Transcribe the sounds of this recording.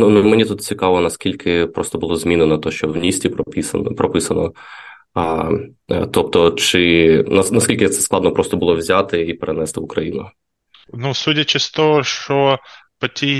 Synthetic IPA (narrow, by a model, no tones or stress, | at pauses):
nunmenʲit̪ut̪t͡sʲikɑʋɔnɐskʲilʲkʰɪpɾɔst̪ɔbʊlˠɔzmʲinʊnɐt̪ɔʃt͡ʃɔwnʲisʲtʲippʲiɐpɾɔpɪsɐnɔ̰ | t̪ɔp̚t̪ɔt͡ʃɪnɐnɐskʲilʲkɪt̪sɛ̥sklˠɑd̪nɔpɾɔst̪ɔbʊlˠɔʋwzʲat̪ɪipeɾenɛst̪ɪʊkɾɐjḭnʊ̰ | nusutʲɐt͡ʃɪst̪ɔɦɔʃt͡ʃɔpɐtʲij